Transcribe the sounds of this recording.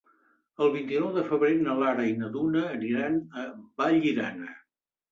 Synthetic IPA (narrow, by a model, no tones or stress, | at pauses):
əlˠβint̪inɔwðəfəβɾenəlaɾəjinəðunəːniɾanəbaʎiɾa̰nə